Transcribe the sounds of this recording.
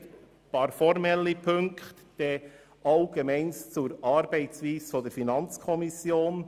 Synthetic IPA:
pɑɾfɔɾmɛlːipʰɵŋkχt | d̥e | ʔɑʊɡ̥emɛɪnst͡suɾɑɾbɛɪt͡sviːsfod̥ɛɾfinɑnt͡skʰɔmisjoːn

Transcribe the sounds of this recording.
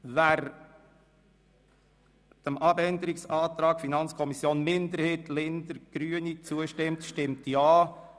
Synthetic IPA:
ʋæːɾ | d̥əmɑbɛnd̪əɾɪksɑːt̪ɾɑːɡ̥finɑnt͡skʰɔmisjoːnmɪnd̪əɾheːtlɪnd̪əɾɡ̥ɾyːənit͡suəʃtɪmtʃtɪmtjɑː

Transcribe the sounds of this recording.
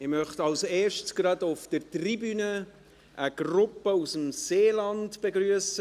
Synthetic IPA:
ɪmœχtɑlseːɾʃtsɡ̥ɾɑdʊfd̥əɾtribynə | ʔəɡ̥rʊpəusəm̩seːlɑntb̥eɡɾyəsə

